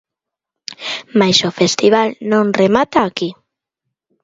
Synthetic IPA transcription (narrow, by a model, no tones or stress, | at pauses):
majsofest̪iβ̞alnõnremat̪aːki